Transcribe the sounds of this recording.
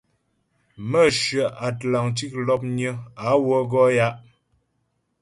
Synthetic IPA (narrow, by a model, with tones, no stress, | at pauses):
mə˦ʃɥə˨ʔa˨tla˨ŋti˦k̚lɔ˦p̚ɲə˦a˨˦wə˦ɡɔ˦ja˦ʔ